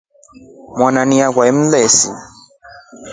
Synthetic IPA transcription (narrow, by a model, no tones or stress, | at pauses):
mwananiakwaɛm̩lɛsḭ